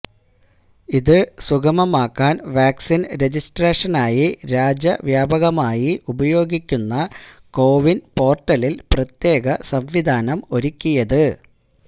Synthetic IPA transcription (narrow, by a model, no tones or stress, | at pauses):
iðɨsuɡɐmɐmaːkːaːnʋaːksinɾe̞d͡ʑisʈreːʂɐnaːjiɾaːd͡ʑɐʋjaːbɐɣɐmaːjiʔubɐjo̞ːɡikʲːunːɐko̞ːʋinpo̞ːrʈːɐlilprɐt̪je̞ːɣɐsɐmʋid̪ʱaːnɐmo̞ɾikʲːujɐðɨ